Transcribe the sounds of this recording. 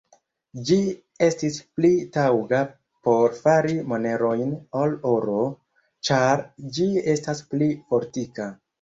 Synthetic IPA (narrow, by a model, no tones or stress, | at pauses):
d͡ʒi | e̞stisplitawɡa | po̞ɾfaɾimo̞ne̞ɾo̞jnolo̞ɾo̞ | t͡ʃaɾd͡ʒie̞stasplifo̞ɾtika